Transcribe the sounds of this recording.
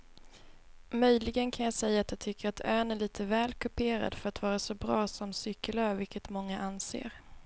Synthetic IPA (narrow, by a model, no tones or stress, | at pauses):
mœjlɪɡənkʰanjɑːsɛjːaːt̪jat̪ʰʏkːəɾat̪ʰøːnæɭiːt̪ʰəvɛːlkʰɵpʰeːɾa̰d̪fœɾat̪vɑːɾasɔbɾɑːsɔmsʏkːəlœːvɪlkʰət̪mɔŋːaʔansḛːɾ